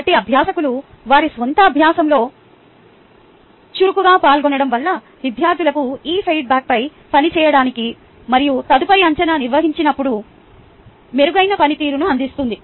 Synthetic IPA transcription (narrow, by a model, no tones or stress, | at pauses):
ɐʈiɐbʱjaːsɐkulu | ʋaːɾisʋɔnt̪ɐːbʱjaːsɐmlo̞ː | t͡ʃuɾukuɡaːpaːlɡɔnɐɽɐmʋɐlːɐ | ʋid̪ʱjaːɾd̪ulɐkuiːpʰɐjʈ̚baːk̚pɐj | pɐnit͡ʃɛːjɐɽaːniki | mɐɾijut̪ɐd̪upɐɾiɐɲt͡ʃɐnaːniɾʋɐɦiɲt͡ʃinɐpːuɽu | me̞ɾuɡɐjnɐpɐnit̪iːɾunuɐnd̪ist̪und̪i